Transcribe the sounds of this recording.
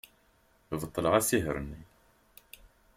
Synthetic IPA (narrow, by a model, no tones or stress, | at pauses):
vət̪ˤːələʁæsiɦə̰ɾənːi